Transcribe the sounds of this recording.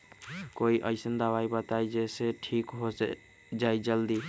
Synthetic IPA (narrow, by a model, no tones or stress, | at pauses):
koiʔəjsənd̪aβajbət̪ajd͡ʒeseʈʰikɦo | d͡ʒajd͡ʒəld̪i